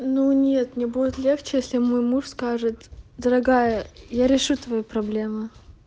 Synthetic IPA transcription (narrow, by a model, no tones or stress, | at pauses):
nunʲet̪nʲɪbudʲɪt̪lʲe̞xt͡ɕɪjesʲlʲɪmo̞jmuʂskaʐɨt̪d̪əɾɐɡajəjaɾʲɪʂut̪vɐjipɾɐblʲe̞mɨ